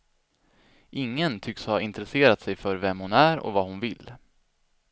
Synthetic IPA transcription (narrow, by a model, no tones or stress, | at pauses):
ʔɪŋːənt̪ʰʏkshaɪnt̪ɾɛseːɾat̪sɛjfœɾvɛmhʊnæɾɔ̰vaːhʊnvɪlː